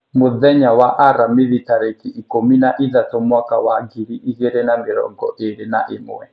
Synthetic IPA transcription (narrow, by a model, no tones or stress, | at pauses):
muðɛɲawaʔaɾamiðitaɾɛkiʔikominaʔiðat̪ɔmwakawaɡiɺiʔiɣɛɾɛnamiɺɔ̰ŋɡɔ̰ʔeɺena̰ʔim̰wɛ̰